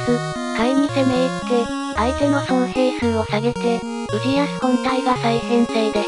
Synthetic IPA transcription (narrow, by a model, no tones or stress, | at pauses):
kɯ | kaimʲisemeit̪e̞ | ait̪eno̞sonoseːsɨ̃ɰ̃o̞saɡe̞t̪e̞ | ɯɾijasi̥kõ̞nt̪aiɡasaisẽ̞ñseːd̪e